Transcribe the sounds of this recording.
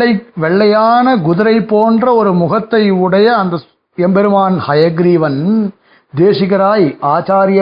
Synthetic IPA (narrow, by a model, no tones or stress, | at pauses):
ɐɪʋɛɭːɐjaːnɐɡʊðɯɾɐɪpːoːndrɐɔɾɯmʊɣɐt̪ːɐɪɯɽɐjɐːnd̪ɐ | ɛmbɛɾɯmaːnhɐjɐɡɾiːʋɐn | d̪eːʂɪɣɐɾaːjaːt͡ʃaːɾɪjɐ